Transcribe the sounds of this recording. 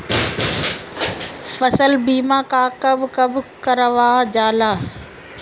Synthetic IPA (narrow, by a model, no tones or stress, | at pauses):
fɐsəlbiːmãːkaːkɐbʱkɐbʱkɐɾəʋaːd͡ʑaːlaː